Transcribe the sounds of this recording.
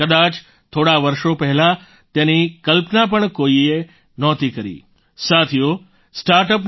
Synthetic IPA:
kəd̪at͡ʃ | t̪ʰoːɽaʋəɾʃopɛɦɛla | t̪ẽnikəlpnap̬əɳkoie | nɔːt̪ikəɾḭː | sat̪ʰijo | sʈaɾʈəp̬

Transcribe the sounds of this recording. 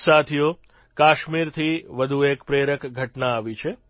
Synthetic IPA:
sat̪ʰijo | kaʃmiɾt̪ʰiʋəd̪ʱuekpɾeɾəkɡʱəʈnaːʋit͡ʃʰe

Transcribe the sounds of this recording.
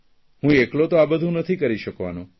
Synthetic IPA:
ɦũeklot̪oabəd̪ʱũnət̪ʰikəɾiʃəkʋa̰nũ

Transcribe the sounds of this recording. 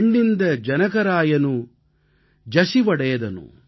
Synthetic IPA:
ɳɖind̪ɐd͡ʒɐnɐkɐɾaːjɐnu | d͡ʒɐsiʋɐɽɐjɐd̪ɐnṵ

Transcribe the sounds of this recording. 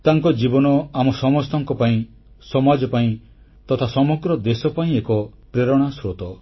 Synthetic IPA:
t̪aŋkɔd͡ʒibɔnɔamɔsɔmɔst̪ɔŋkɔpaĩ | sɔmad͡ʒɔpaĩ | t̪ɔt̪ʰasɔmɔɡɾɔd̪esɔpaĩekɔpɾeɾɔɽ̃asɾot̪ɔ

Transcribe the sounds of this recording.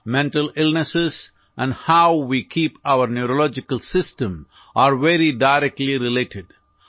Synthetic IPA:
mɛ̃ɳʈəlɪlnəsɪz | ʔɛ̃nɖhaʊʋiːkʰiːpaʊəɾnjuɾolɔd͡ʒɪkəlsɪsʈə̃m | ʔaːɾʋeɾiɖaɪɾɛk̚ʈliɾɪleːʈʰɪɖ

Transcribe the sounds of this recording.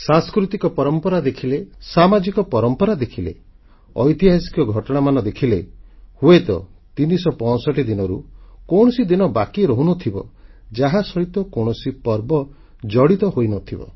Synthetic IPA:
sãŋskɾut̪ikɔpɔɾɔmpɔɾad̪ekʰilesamad͡ʒikɔpɔɾɔmpɔɾad̪ekʰilḛ | ɔ̰jt̪iɦasi̥kɔɡʱɔʈɔɽ̃amanɔd̪ekʰilehuet̪ɔ̰t̪inisɔpɔ̃sɔʈid̪inɔɾukɔwɽ̃ɔsid̪inɔbakiɾɔɦunɔt̪ʰibɔ̰d͡ʒaɦasɔit̪ɔkow̃ɔsipɔɾbɔ | d͡ʒɔɽit̪ɔɦojnɔt̪ʰibɔ̰

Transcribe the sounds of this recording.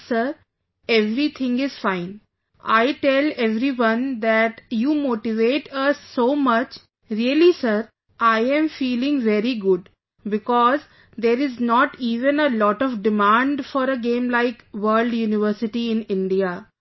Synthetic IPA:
səɾ | eʋɾit̪ʰɪ̃ŋɡɪz̥fãɪ̃n | ʔaɪʈɛleʋɾiʋʌ̃nd̪æʈjuːmoːʈiʋeːʈəsːoːmʌt͡ʃ | ɾiəlisəɾ | ʔaɪɛ̃mfiːlɪ̃ŋʋɛɾiɡʊɖ | bɪkɔːz | d̪eːɾɪznɔːʈiːʋə̃nəlɔːʈɔʋɖɪmãːɳɖfɔɾəɡẽːmlaɪkʋəːɾlɖjuːnɪʋəɾsɪʈiɪ̃nɪ̃ɳɖia

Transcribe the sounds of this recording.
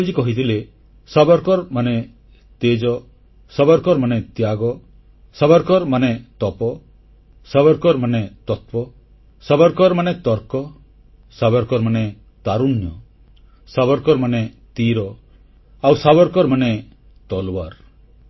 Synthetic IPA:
d͡ʒikɔɦit̪ʰile | sabɔɾkɔɾmane | t̪ed͡ʒɔ | sabɔɾkɔɾmanet̪jaɡɔ | sabɔɾkɔɾmanet̪ɔpɔ | sabɔɾkɔɾmanet̪ɔt̪̚pɔ | sabɔɾkɔɾmanet̪ɔɾkɔ | sabɔɾkɔɾmane | t̪aɾunjɔ | sabɔɾkɔɾmane | t̪iɾɔ | awsabɔɾkɔɾmane | t̪ɔlwaɾ

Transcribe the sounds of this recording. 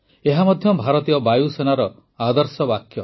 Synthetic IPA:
eɦamɔd̪ʱjɔbʱaɾɔt̪ijɔbajusenaɾɔ | ad̪ɔɾsɔbakʰjɔ

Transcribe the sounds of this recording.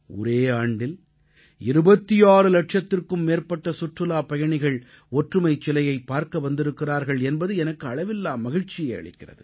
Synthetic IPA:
ɔ̰ɾeːaːɳɖɪl | ɪɾɯbɐt̪ːɪjaːɾɯlɐʈ̚t͡ʃɐt̪ːɪrkɯmːeːɾpɐʈːɐsʊʈrɯlaːpɐjɐɳɪɣɐɭ | ɔʈrɯmɐɪt͡ʃːɪlɐjɐɪpːaːɾkɐʋɐnd̪ɪɾɯkːɪraːɾɣɐɭɛnbɐðɯɛnɐkːɯɐɭɐʋɪlːaːmːɐɣɪɻt͡ʃɪjɐɪɐ̰ɭɪ̰kːɪrɐ̰ðɯ̰

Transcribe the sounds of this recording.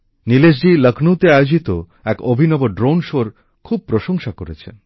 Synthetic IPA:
niled͡ʑ̬ɖiləkʰnuwt̪eajod͡ʑit̪o | ɛkobʱinɔboɖɾonʃoɾ | kʰub̚pɾoʃoŋʃakoɾet͡ɕʰḛn

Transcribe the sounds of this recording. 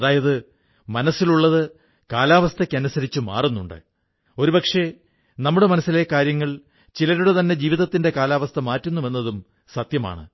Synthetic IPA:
ɐðaːjɐðɨ | mɐnɐsiluɭːɐðɨ | kaːlaːʋɐst̪ʰɐkʲːɐnusɐɾit͡ɕːuma̰ːrunːuɳɖɨ̰ | o̞ɾupɐkʂe̞ | nɐmːuɽe̞mɐnɐsːile̞kaːɾjɐŋːɐɭ | t͡ɕilɐɾuɽe̞t̪ɐnːe̞d͡ʑiːʋiðɐt̪ːinde̞kaːlaːʋɐst̪ʰɐmaːtːunːuʋe̞nːɐðum | sɐt̪jɐma̰ːɳɨ̰

